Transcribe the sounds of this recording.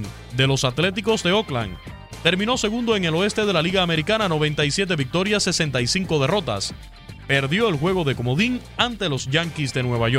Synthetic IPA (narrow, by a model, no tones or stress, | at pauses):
n | d̪e̞lo̞sat̪le̞t̪̬iko̞sd̪e̞o̞kla̰n | t̪e̞ɾmĩno̞se̞ɣund̪o̞e̞ŋe̞lo̞e̞st̪eð̞e̞laliɣaːme̞ɾikanano̞βe̞nt̪aisje̞t̪̬e̞βik̚t̪o̞ɾjasːe̞se̞nt̪aisiŋko̞ðe̞ro̞t̪a̰s | pe̞ɾðjo̞elxwe̞ɣ̞o̞ðe̞ko̞moðiŋant̪e̞lo̞sʝaŋkisd̪e̞nwe̞βaʝo